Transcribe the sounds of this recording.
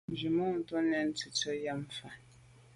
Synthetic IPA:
d͡ʒi˨mɔ˦˨ŋ̩˨tɔ˦nɛ˨n̩˦tu˨tɔ˦ja˦m˨fa˨

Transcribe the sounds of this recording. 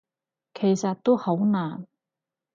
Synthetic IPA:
kʰe˨˩jsɐ˨t̚t̪o˥who˨˥wnaː˨˩n

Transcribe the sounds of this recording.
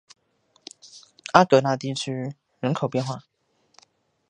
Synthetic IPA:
a˥kɤ˧˥na˥˧t̪i˥˩t͡ɕʰy˥ | ɻə˧˦nkʰo˨˩ʊpjɛ˥˧nxwa˥˩

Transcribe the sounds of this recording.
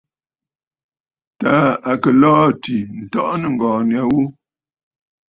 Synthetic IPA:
ta˦a˨kə˨lɔː˦˨ti˨n̩˨tɔ˦ʔnə˨ŋ̩˨ɡɔː˨nja˨˦wu˦

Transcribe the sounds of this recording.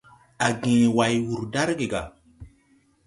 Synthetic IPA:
a˨ɡĩ˨wa˨jwu˨ɾda˦ɾɡe˨ɡa̰˨

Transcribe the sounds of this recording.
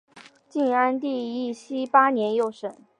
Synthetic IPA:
t͡ɕi˥˧na˥nt̪i˥˧i˥˩ɕi˥pa˥njɛ˧˥njo˥˩ʊʂə˨˩˦n

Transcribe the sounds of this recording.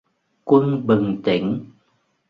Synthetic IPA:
kwə˧nɓɨ˨˩ŋt̪i˧˦ŋ̟

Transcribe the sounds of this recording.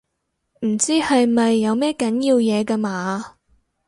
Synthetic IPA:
m̩˨˩t͡siː˥hɐ˨jmɐ˨jːɐ˨˧wmɛː˥kɐ˨˥njiː˧wjɛː˨˧kɐ˧maː˨˧

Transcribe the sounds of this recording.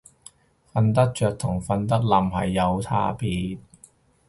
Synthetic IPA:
fɐ˧nt̪̬ɐ˥k̚t͡ʃœː˨k̚t̪ʰʊ˨˩ŋfɐ˧nt̪̬ɐ˥t̚lɐ˨˧mɦɐ̰˨jːɐ˨˧wt̪ʰa̰ː˧pʰiː˨˧t̚

